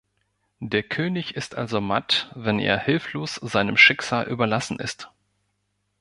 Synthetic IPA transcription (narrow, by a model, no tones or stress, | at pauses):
d̥eːɐkʰøːnɪçɪstʔalzoma̰tvɛnḛːɐhɪlfloːsz̥aɪnəmʃɪkz̥aːlʔy̰ːbɐlasn̩ʔɪ̰st